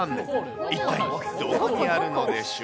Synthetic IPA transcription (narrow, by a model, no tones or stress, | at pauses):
n | it̪ːaid̪̥okoɲ̟iaɾɯ̟no̞d̪eɕ